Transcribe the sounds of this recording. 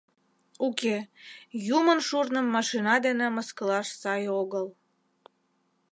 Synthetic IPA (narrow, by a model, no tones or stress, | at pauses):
ukejumənʃurnəmːɑʃinɑd̪eneməskəlɑʃsɑjoɣəl